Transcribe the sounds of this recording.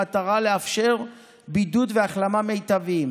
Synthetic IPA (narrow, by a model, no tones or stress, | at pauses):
at̪aʁale̞afʃe̞ʁ | bid̪ut̪veaχlamame̞jt̪avim